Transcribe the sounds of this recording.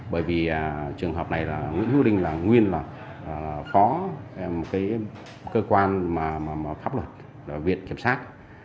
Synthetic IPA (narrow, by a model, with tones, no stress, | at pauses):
ɓəː˧˩jvi˨˩ʔaː˨˩t͡ɕɨ˨˩əŋɦəː˨˩p̚na˨˩jlaː˨˩ŋwḭ˧˥ənhu˨˦ɗï˧ŋ̟laː˨˩ŋwi˧ənlaː˨˩ | laː˨˩laː˨˩fɔ˨˦mo˨˩t̚kaː˨˦j | kəː˧kwaː˧nmaː˨˩maː˨˩maː˨˩faː˦˥p̚lwə˨˩t̚ | laː˨˩vḭ˧˨ənki˧˩əmsaː˦˥t̚